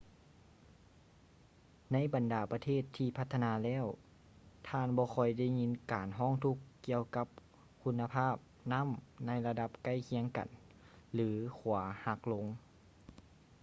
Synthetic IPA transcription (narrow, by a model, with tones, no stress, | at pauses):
na˧˥˨jba˨ndaː˨˩pa˧t̪ʰeː˥˩˨t̪ʰːiː˧pʰa˧t̪ʰːa˧naː˧˦lɛː˧˥˨w | t̪ʰaː˧˨nbɔː˧˦xʰɔ˧˩jda˧˥˩jŋi˧˥nkaː˨˩nɦɔː˧˥˩ŋt̪ʰu˧˥kːi˧əwka˧˥p̚ | kʰu˧˥nːa˧pʰaː˥˩p̚na˧˥˨mna˧˥˨jla˧da˧p̚ka˧˥˩jkʰi˧˥əŋka̰˨n | lɯː˨˦kʰu˨˩˦ɐha˧˦k̚lo˧˥ŋ